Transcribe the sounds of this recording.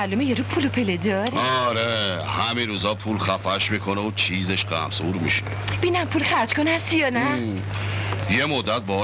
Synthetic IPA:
alumejeɾupʰulopʰeled̪ɒɾɔɾehæmiɾuːzɒːpʰuːlxæfæʃmiːkʰoneot͡ʃʰiːzeʃɢæ̰msuɾmḭʃe | b̥iːnæmpʰulxæɾd͡ʒkonæst̪ijɒːnæ | jemod̪ːæt̪̚bɒ

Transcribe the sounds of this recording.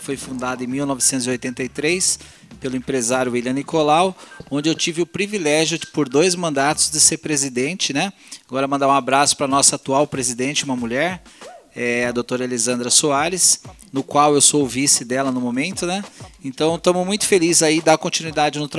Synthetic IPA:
fojfũnd̪ad̪ɐẽmiwnɔvɪsẽt̪ʊziojt̪ẽnt̪ɐjt̪ɾejs | pelʊẽpɾezaɾjʊiljɐ̃nikolawõnd͡ʒɪewt͡ʃivɪʊpɾivilɛʒjʊpoɾd̪ojzmɐ̃nd̪at̪ʊzd͡ʒ̪ɪseɾpɾezid̪ẽnt͡ʃɪnɛ | aɡɔɾɐmɐ̃nd̪aũabɾasʊ̥pɾɐnɔsɐaːt̪uawpɾezid̪ẽnt͡ʃɪũmɐmuʎɛɾ | ɛɐd̪owt̪oɾɐelezɐ̃nd̪ɾɐsuaɾɪs | nʊkwawewsoʊvisɪd̪ɛlɐnʊmomẽnt̪ʊnɛẽt̪ɐ̃w̃t̪õmʊzmũj̃t̪ʊ̥felizaid̪akõnt͡ʃinuid̪ad͡ʒɪnʊt̪ɾ

